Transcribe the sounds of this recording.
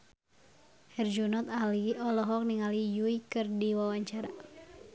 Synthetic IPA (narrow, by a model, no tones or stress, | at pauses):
hɛrd͡ʒunɔt̪aliɔlɔɦɔk̚niŋalijuikɨrdiwawaɲt͡ʃaɾa